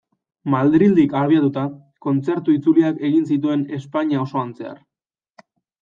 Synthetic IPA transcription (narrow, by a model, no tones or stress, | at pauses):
mald̪ɾild̪ikaβ̞iat̪ut̪a | ko̞nt͡se̞ɾt̪uit͡suliake̞ɣinsit̪̬ue̞ne̞spaɲao̞so̞ant͡se̞a̰ɾ